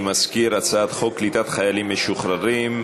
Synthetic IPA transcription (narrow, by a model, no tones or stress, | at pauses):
mazkiɾat͡saat̪χoklit̪at̪χajalimːeʃuχɾaɾim